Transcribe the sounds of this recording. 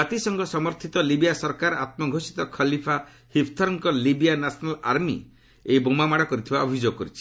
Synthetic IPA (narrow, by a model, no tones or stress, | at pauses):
at̪isɔŋɡɔsɔmɔɾt̪ʰit̪ɔlibijasɔɾkaɾat̪̚mɔɡʱosi̥t̪ɔkʰɔlipʰa | hipʰt̪ʰɔɾɔŋkɔlibijanasʰɔnalaɾmḭ | eibomamaɽɔkɔɾit̪ʰibaɔbʱid͡ʒoɡɔkɔɾit͡ʃʰi̥